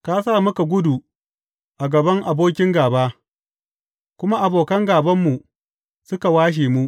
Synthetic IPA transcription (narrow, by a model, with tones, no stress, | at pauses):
ka˦saː˦˨mʊ˦ka˨ɡʷʊ˦du˨ | ʔa˨ɡɐ˨bɐ˦ŋʔa˨boː˦k̬ʲɪ˦ŋɡaː˨baː˦ | kʷʊ˦ma˦ʔa˨boː˨kɐ˦ŋɡaː˨bɐ˦mːu˨ | sʊ˦ka˨waː˦ʃ̬eː˨mu˦ʔ